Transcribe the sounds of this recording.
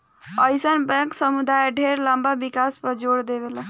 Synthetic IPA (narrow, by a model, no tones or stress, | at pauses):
əjsənbɛ̃ksəmud̪ajɖʱeɾlambabikaspəd͡ʒoɽd̪ebela